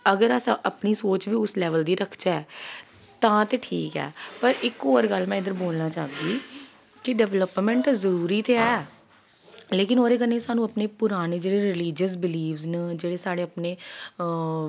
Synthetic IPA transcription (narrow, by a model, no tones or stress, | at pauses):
əɡəɾəsãʔəpniːsoːt͡ʃʋiːʊslɛːʋəld̪iːɾəkʰd͡ʒɛː | t̪ãːt̪eːʈʰiːkɛ̰ːpəɾɪkɦoːɾɡəlmɛ̃ːɪd̪əɾboːlnaːt͡ʃaːd̪iː | kɪɖɛʋləpmɛ̃ːɳʈzəɾuːɾiːt̪eːɛː | leːkɪnoːɾeːkəneːsaːnũːəpneːpʊɾaːneːd͡ʒeːɽeːɾɪliːd͡ʒəs̬bɪliːʋznəd͡ʒeːɽeːsaːɽeːəpneː